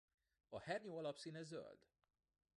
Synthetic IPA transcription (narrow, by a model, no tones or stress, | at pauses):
ɒhɛrɲoːɒlɒpsiːnɛzø̰ld̪̥